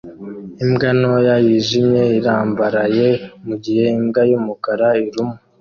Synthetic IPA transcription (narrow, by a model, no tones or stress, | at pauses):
imɡanojajiʒimɲe̞iɾaːmbaɾaje̞muɟihe̞imɡajumukaɾaiɾumu